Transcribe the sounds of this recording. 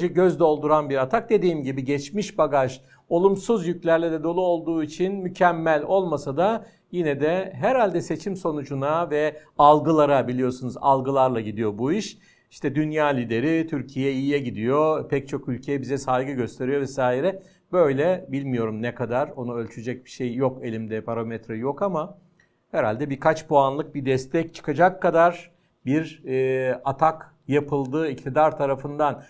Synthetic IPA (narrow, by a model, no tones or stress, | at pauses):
d͡ʒɛɟøzd̪ɛolˠd̪uɾanbiɾat̪ʰak̚d̪e̞d̪iːmɟibiɟɛt͡ʃmiʃbaɡaʃ | o̞lˠumsuzjyclʲæɾlʲɛd̪ɛd̪o̞lˠuo̞lˠd̪uːit͡ʃʰinmycʰɛmːælʲo̞lˠmasad̪a | jinɛd̪ɛɦɛɾalʲd̪ɛse̞t͡ʃʰimso̞nud͡ʒunavɛ | alˠɡɯlˠaɾabilʲijo̞sunuza̰lˠɡɯlˠaɾlˠaɟid̪ijo̞buiʃ | iʃt̪ʰɛd̪ynjaːlʲid̪e̞ɾit̪ʰyɾcʰijɛijijɛɟid̪ijo̞pʰɛc̚t͡ʃʰo̞kylʲcʰe̞jɛbizɛsalɡɯɟø̞st̪ʰe̞ɾijo̞vɛsaːiɾɛ | bø̞jlʲɛbilʲmijo̞ɾumnɛkʰad̪aɾo̞nuølʲt͡ʃʰyd͡ʒɛc̚bi̥ʃejːo̞ke̞lʲimd̪ɛpʰaɾomɛt̪ɾajo̞kama | heɾalʲd̪ɛbiɾkʰat͡ʃpʰoanlˠɯk̚bid̪ɛst̪ʰɛc̚t͡ʃʰɯ̥kʰad͡ʒakʰːad̪aɾ̥ | biɾː | at̪ʰak | japʰɯlˠd̪ɯːict̪ʰid̪aɾt̪ʰaɾafɯnd̪an